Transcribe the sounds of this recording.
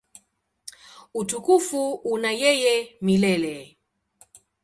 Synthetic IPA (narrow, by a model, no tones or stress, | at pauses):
utukufuunajɛjɛmilɛlɛ